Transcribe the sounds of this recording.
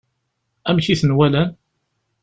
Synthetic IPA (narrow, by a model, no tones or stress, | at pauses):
æmçiθənwælæn